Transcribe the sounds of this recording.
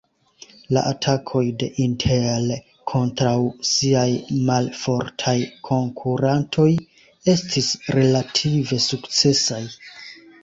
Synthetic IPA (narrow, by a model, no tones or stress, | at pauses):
la̰ʔatʰakʰo̞jde̞̰ʔintʰel | kʰo̞ntɾawsiajmalfo̞ɾtʰajkʰo̞ŋkʰuɾantʰo̞j | e̞stʰisɾe̞latʰive̞sukt͡se̞saj